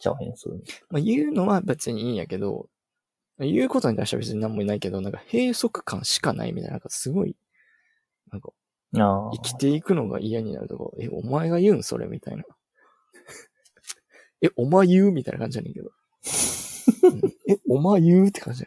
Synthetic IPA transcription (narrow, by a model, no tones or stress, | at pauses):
t͡ɕa̰hḛ̃sɨ̰majɯ̟ːno̞βajapːbebet͡sɨɲ̟iĩːjake̞d̪o̞̰ | majɯ̟ːko̞t̪o̞ɲ̟it̪aiɕt̪a̰bet͡sɨɲinãmːoinaike̞d̪o̞nãŋkahe̞ːso̞kɯ̟̥kʰãɰ̃ɕi̥kanʔa̰ḭmit̪a̰ḭnãkasɨɡo̞ḭ | nãŋka | aikʲi̥t̪e̞ikɯ̟no̞ɡa̰ʔijaɲ̟ina̰ɾɯ̟t̪o̞̰ko̰ɾ̰ḛʔo̞̰maeɡajɯ̟ːɰso̞̰ɾe̞̰mʲit̪a̰ḭna | eʔo̞maejɯ̟ːmʲit̪aḭnakãɲd͡ʑianːḛ̃ŋke̞d̪o̞ | ɯ̃eomajɯ̟ːt̪ːekʰãɲd͡ʑi